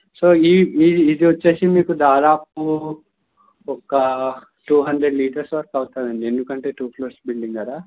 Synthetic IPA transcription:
soːiːiːd̪iʋɐt͡ʃːeːsimiːkud̪aːd̪aːp̚u | ɔkɐ | ʈuːɦɐɳd̪ɾeɖliːʈɐɾsʋɐɾɐkɐwt̪aːd̪ɐɳɖiend̪ukɐɳʈe̞ːʈuːkloːɾsbiɭɖiŋɡɐd̪aː

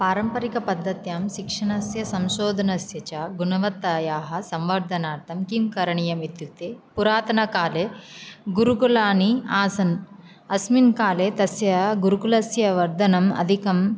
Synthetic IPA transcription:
paːɾɐmpɐɾikɐpɐd̪ʱːɐt̪jaːmʃikʂɐɳɐsjɐsɐmʃoːd̪ʱɐnɐsjɐt͡ʃaːɡunɐʋɐt̪ːaːjaːɦɐ̆sɐmʋɐɾd̪ʱɐnaːɾt̪ʰɐmkimkɐɾɐɳijɐmid̪juk̚t̪epuɾaːt̪ɐnɐkaːleːɡuɾukulaːniaːsɐn | ɐsminkaːleːt̪ɐsjɐɡuɾukulɐsjɐʋɐɾd̪ʱɐnɐmɐ̰d̪ʱikɐm

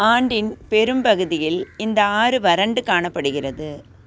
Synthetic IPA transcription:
aːɳɖɪnpɛɾɯmpɐɣɯðɪjɪlɪnd̪ɐaːɾɯʋɐɾɐɳɖɯkaːɳɐpːɐɽɯɣɪrɐðɯ

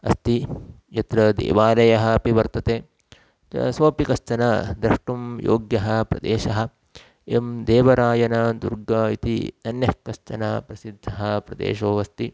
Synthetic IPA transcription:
ɐ̰st̪i | jɐt̪ɾɐd̪ḛːʋaːlɐjɐɦɐɐpiʋɐɾt̪ɐt̪eː | ɐ̰soːpikɐst͡ʃɐnɐd̪ɾɐʂʈumjo̰ːɡjɐɦɐpɾɐ̰d̪eːʃɐɦɐ̆ | emd̪eːʋɐɾaːjɐnɐd̪ṵɾɡɐit̪ḭt̪ɐnjɐhkːɐst͡ʃɐnɐpɾɐsid̪ʱːɐɦɐpɾɐd̪ḛːʃoːʋɐst̪i

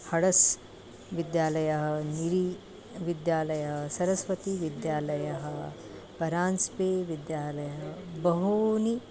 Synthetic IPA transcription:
hɐɽɐs | ʋid̪jaːlɐjɐɦɐ̆niɾi | ʋid̪jaːlɐjɐɦɐsɐɾɐsʋɐt̪iʋid̪jaːlɐjɐɦɐ̆ | pɐɾaːnspeːʋid̪jaːlɐjɐɦɐbɐɦuːni

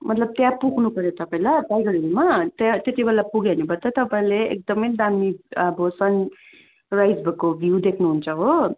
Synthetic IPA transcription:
mʌt̪lʌb̚t̪jãpuɡʰʱnupʌɾjet̪ʌpaĩlabajɡʌɽiɾimat̪at̪jet̪ibʌlapuɡanebʌt̪ʌt̪ʌpaĩleek̚d̪ʌmʌjd̪amiʌbʌsʌn | rajd͡zbʌkobʱjud̪ekʰnuɦunt͡sʰʌɦo

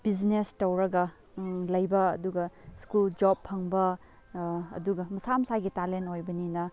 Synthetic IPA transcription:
b̥id͡ʒnestɐwɾɐɡɐ | lɐjbɐ̰ːduɡɐskuld͡ʒopʰɐŋbɐ | ɐ̰duɡɐmɐsamɐsaɡitalentojbɐninɐ

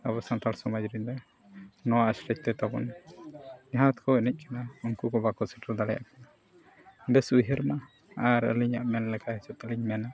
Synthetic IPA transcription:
əβɔsant̪alsɔmad͡ʒɾiɲd̪ɔ | nɔwasɾɛc̚t̪ɛt̪abɔn | ɛɦat̪kʰɔɛnɛc̚ˀkanauŋkukɔbakɔsɛʈəld̪alɛja̰ʔkana | bɛsujɦəɾma | aɾə̰liɲaʔmɛnlɛkʰahɛsɔt̪əliɲmɛna

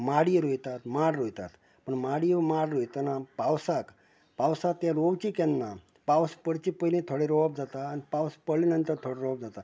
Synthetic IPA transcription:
maɽiɾojt̪at̪maɽɾojt̪a̰t̪ | pəɳmaɽimaɽɾojt̪ənapawsak | pawsak̚t̪jaɾoʋt͡ɕikɛnːa | pawspəɽt͡ɕipəjlĩt̪ʰoɽeɾoʋb̚d͡zat̪aːnipawspəɽlinənt̪əɾt̪ʰoɽeɾob̚d͡zat̪a

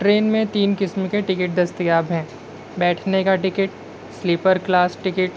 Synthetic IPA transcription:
ʈɾeːnmẽt̪iːnkɪsmkeʈɪkɪʈ̚d̪ɐst̪ijaːbɦɛ̃ː | bɛːʈʰnekaʈɪkɪʈ̚ | sliːpəɾklaːsʈɪkɪʈ

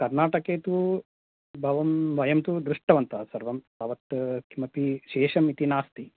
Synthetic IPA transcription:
kɐɾnaːʈɐkeːt̪u | bʱɐʋɐmʋɐjɐmt̪ud̪ɾuʂʈɐʋɐnt̪ɐsɐɾʋɐm | ɐʋɐt̪kʰimɐpiʃeːʃɐmit̪inaːst̪i

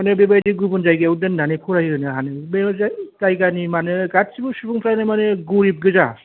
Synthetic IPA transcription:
manɯbebajdiɡubɯnzajɡɯwdɯndanɯpʰuɾajiɾɯnɯɦanɯbezatajɡanimanɯɡat̚sibɯsupʰuŋpʰɾanɯmanɯɡuɾip̚ɡɯza

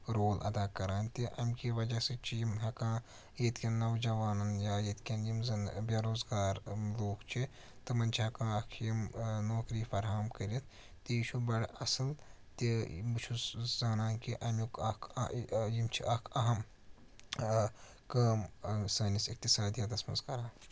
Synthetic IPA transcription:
ɾoːlʔɐ̰d̪aːkɐɾaːnʲt̪iʔɐmʲkiʋɐd͡ʒaset͡ʃʰijimɦɐkãː | jet̪kʲɐnːɐʋd͡ʒɐʋaːnɐnjaːjet̪kʲɐnjimzɐnbʲaːɾoːzɡaːɾloːɡt͡ʃʰi | t̪ɐmɐnt͡ʃʰiɦɐkãːɐkʰjimnoːkɾiːfɐɾɦamkɐɾit̪ʰ | t̪iiʃʰubɐɽɐsɐl | t̪ibut͡ʃʰuszaːnaːnkiʔɐmjukɐkʰjimt͡ʃʰiʔɐkʰɐɦɐm | kaːmsɐːnisik̚t̪isaːd̪ijaːd̪ɐsmɐ̰zkɐɾaːn

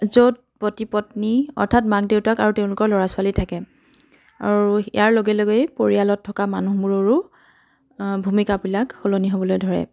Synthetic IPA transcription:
zot̚potipɔtniɔ̰ɹtʰat̚mak̚deʊtakaɹuteʊ̃lʊkɔɹlɔɹasʊalitʰakɛ | a̰ɹuḭjaɹloɡɛloɡejpoɹialɔtʰːɔkamanuɦmuɹoɹu | bʱumikabilakholoniɦobɔlojdʱɔɹɛ̰

